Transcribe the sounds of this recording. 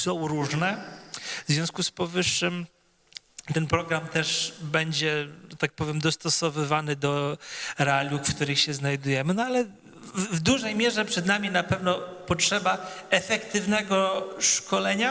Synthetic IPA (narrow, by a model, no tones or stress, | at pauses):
sɔ̃w̃ɾuʐnɛvzvʲjɔ̃w̃skuspɔvɘʂːɘm | t̪ɛnpɾɔɡɾamt̪ɛʂbɛɲd͡ʑɛʐɛt̪ak̚pɔvʲjɛmd̪ɔst̪ɔsɔvɘvanɘd̪ɔɾɛalʲjukfkt̪uɾɘxɕɛznajd̪ujɛmɘnɔalɛ | vd̪uʐɛjmʲjɛʐɛpʂɛd̪namʲinapɛvnɔpɔtʂɛbaɛfɛkt̪ɘvnɛɡɔʂkʰɔlɛɲa